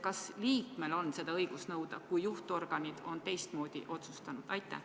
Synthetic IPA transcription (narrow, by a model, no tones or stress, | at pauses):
kɑsliːkme̞lo̞nːse̞d̪̥ɑɤjɡ̥usnɤwd̪̥ɑkujːuht̪o̞rɡ̥ɑnid̪̥o̞nt̪e̞jst̪mo̞ːd̪̥ḭʔo̞t̪su̥st̪ɑnud̪̥ɑjt̪ːˑæ̰